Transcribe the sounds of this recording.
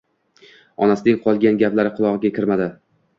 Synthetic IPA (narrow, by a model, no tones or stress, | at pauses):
ɒnasɪnɪŋqʰɒlˠɡʲanɡʲaplaɾɪqʰʊlˠɒʁɨɡʲakʲʰɪɾmad̪ɪ